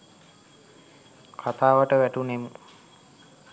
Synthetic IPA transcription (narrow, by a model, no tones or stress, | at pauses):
kʰat̪aːʋəʈəʋæʈunemə